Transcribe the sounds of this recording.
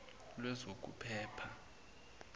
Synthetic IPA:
lwɛzok̬ʼṵpʰɛːpʰa

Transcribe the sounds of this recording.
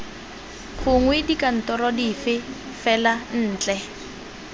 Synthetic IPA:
kʰʊŋwɪdikan̩tɔɾɔdifɪ | fɛlan̩ːt͡ɬʼɛ

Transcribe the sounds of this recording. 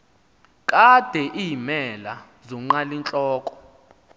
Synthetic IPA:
kʼad̥ʱɛʔimɛla | zɔŋ͡ǃalint͡ɬʼɔːkʼɔ̥

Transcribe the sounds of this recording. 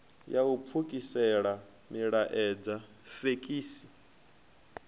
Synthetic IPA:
jaup̪fʰukʼisɛɺa | miɺaʔɛd͡za | fekʼiːsi̥

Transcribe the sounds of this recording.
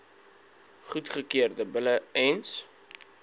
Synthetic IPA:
χutχəkiərdəbələɛns

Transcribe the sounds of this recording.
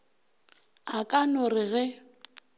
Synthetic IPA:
akʼanʊrɪɣɛ

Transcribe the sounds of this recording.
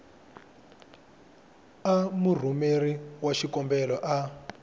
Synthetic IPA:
amur̤umeriwaʃikɔmbɛlɔʔa

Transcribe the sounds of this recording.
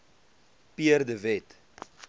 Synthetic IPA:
piərdəvɛt

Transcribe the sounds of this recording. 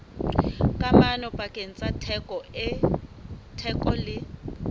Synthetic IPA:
kʼamanɔpʼakʼen̩t͡sʼatʰɛkʼɔɛ | tʰɛkʼɔlɪ

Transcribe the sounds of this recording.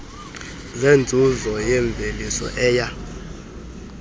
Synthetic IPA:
zend͡zʱuzɔjɛɱb̪vʱelisɔ̰ʔɛːja

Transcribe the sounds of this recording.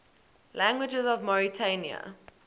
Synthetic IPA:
læ̃ŋɡwɪd͡ʒəzɔvmɔɹitʰeniə̰

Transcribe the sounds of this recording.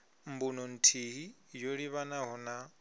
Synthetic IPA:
m̩bunɔn̩tʰiɦi | joɺiβanaɦɔna

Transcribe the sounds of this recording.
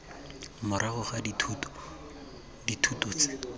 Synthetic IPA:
mʊɾʔaɣʊχaditʰut | ditʰutɔt͡sɪ

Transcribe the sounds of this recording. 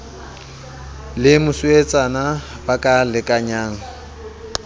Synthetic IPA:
lɪmʊsʊet͡sʼana | bakʼalɪkʼaɲaːŋ̩

